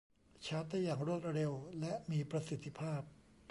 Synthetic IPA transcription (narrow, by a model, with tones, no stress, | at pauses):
t͡ɕʰa˦˥t̪̚d̪aː˥˩jaː˨˩ŋɾu˥˩ət̪̚ɾe˧wlɛ˦˥ʔmiː˧pɾa˧si˨˩t̪ʰːi˦˥pʰaː˥˩p̚